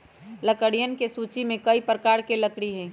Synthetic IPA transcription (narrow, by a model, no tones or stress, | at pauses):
ləkəɽijənkesuːt͡ʃimẽkəipɾəkaːɾkeləkɽiɦɛ̃ː